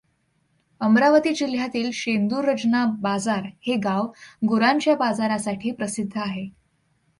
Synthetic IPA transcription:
əmɾaʋət̪iːd͡ʑil̤jat̪iːlɕend̪uɾəd͡ʑnabad͡zaɾheɡaʋɡoɾaɲt͡ɕjabad͡zaɾasaʈʰiːpɾəsid̪ʱːəaɦe

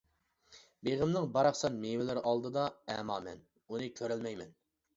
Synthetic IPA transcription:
beʁəmnɨŋbɑɾɑχsɑnmewɪlɪɾʔɑlˠd̪ɨd̪ɑɛmɑːmɛ̰n | unɨkʲʰøɾɛlmɛjmɛn

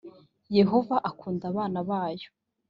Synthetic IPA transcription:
je̞ɦo̞vaʔakʰuːndaβaːnaβaːjo̥

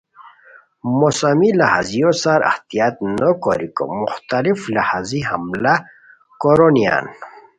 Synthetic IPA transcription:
mosamilaha̰zijosaɾa̰ht̪ijat̪̚nokoɾiko̰muxt̪aliflahaziɦa̰mla | koɾonija̰n

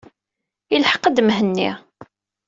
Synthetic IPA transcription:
ilħə̥qːəd̪mɦənːḭʁ

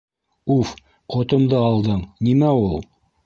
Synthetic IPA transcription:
uf | qŏt̪ŏmd̪ɤɑlˠd̪ɤɴnimæulˠ

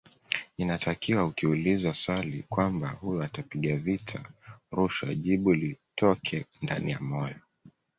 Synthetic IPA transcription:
inatakiwaukiulizaswalikwambahujɔatapiɠavitʰaɾuʃaʄiɓulitʰɔkʰɛnda̰nijamɔjɔ

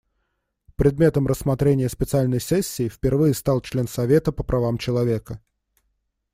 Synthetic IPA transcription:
pɾʲɪd̪mʲe̞t̪əmɾəsmɐt̪ɾʲenʲɪjəspʲɪt̪sɨalʲnəjsɛsʲːɪːfʲpʲɪrvɨjəst̪alˠt͡ɕlʲe̞nsɐvʲe̞t̪əpəpɾʔɐvamt͡ɕɪlˠɐvʲe̞kə

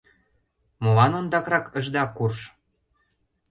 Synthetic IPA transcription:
molɑnond̪ɑkrɑkə̆ʒd̪ɑkurʃ

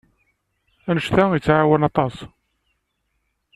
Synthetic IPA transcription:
ænəʃθæjit͡sːʕawənɑt̪ˤɑsˤ

